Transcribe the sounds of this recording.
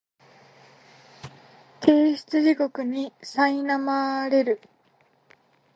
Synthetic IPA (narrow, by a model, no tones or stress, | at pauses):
t̪ʰe̞ːɕi̥t͡sɨʑiko̞kɯ̟ɲ̟isainamaɾe̞ɾɯ̟